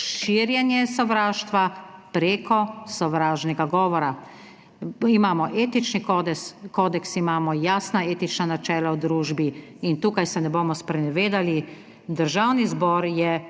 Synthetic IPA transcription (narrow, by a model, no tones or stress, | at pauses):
ʃiɾjɛnjɛsɔʋɾaːʃt̪ʋapɾeːkɔsɔʋɾaːʒnɛɡaɡɔːʋɔɾa | imaːmɔʔeːt̪it͡ʃnikd̪ɛskoːd̪ɛksimaːmɔjaːsnaeːt̪it͡ʃnanat͡ʃɛːlawd̪ɾuːʒbiint̪uːkajsɛnɛboːmɔspɾɛnɛʋeːd̪ali | d̪əɾʒaːwnizbɔːɾjɛ